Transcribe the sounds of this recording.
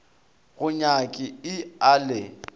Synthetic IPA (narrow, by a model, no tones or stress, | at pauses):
ɣʊɲakʼɪɪalɪ